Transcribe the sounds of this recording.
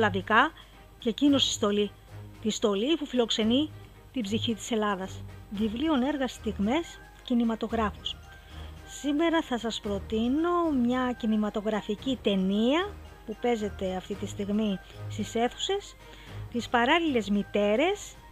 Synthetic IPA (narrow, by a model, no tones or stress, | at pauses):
lɐðikɐ | cecino̞si̥st̪o̞li | t̪ist̪o̞lipufilo̞kse̞ni | t̪ibziçit̪i̥se̞lɐðɐsvivlio̞ne̞ɾɣɐst̪iɣme̞s | cinimɐt̪o̞ɣɾɐfos | sime̞ɾɐθɐsɐspɾo̞t̪ino̞mɲɐcinimɐt̪o̞ɣɾɐficit̪e̞niɐ | pupe̞ze̞t̪e̞ɐft̪it̪ist̪iɣmi | st̪ise̞θu̥se̞s | t̪ispɐɾɐlile̞zmit̪e̞ɾe̞s